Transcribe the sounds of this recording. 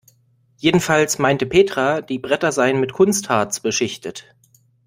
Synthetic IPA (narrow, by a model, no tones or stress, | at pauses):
jeːdn̩falsmaɪntəpʰeːtʁ̥ad̥iːbʁɛtɐzaɪənmɪtkʰʊnsthaːt͡sb̥əʃɪçtət